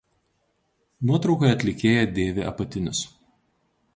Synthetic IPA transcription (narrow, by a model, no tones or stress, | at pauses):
nuɔt̪ɾɒʊkɐjɐt̪ʲlʲɪkʲeːjɛd̪ʲeːʋʲeʔɐ̰pɐt̪ʲɪnʲɪs